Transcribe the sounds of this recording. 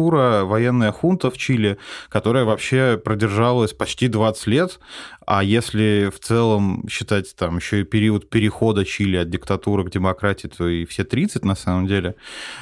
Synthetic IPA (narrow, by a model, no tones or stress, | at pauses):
uɾəvɐjenːəjəxunt̪əft͡ɕilʲɪkɐt̪o̞ɾəjəvɐpɕːe̞pɾədʲɪrʐalˠəsʲpɐt͡ɕtʲid̪vat̪sə̥ɨ̥tʲlʲe̞t̪ajesʲlʲɪft̪sɛlˠəmɕːɪt̪atʲt̪amjɪɕːo̞ɪpʲɪɾʲiət̪̚pʲɪɾʲɪxo̞d̪ət͡ɕilʲɪɐt̪̚dʲɪkt̪ɐt̪uɾɨɡdʲɪmɐkɾatʲɪɪt̪ʰo̞ɪfsʲe̞t̪ɾʲit̪sɨtʲnɐsaməmdʲelʲɪ